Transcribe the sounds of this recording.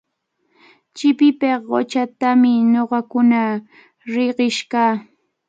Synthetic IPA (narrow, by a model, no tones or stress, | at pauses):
t͡ʃɪpɪpeɢo̰t͡ʃat̪amɪɲoɢɑkʊna | ɾɪɢɪʃkaː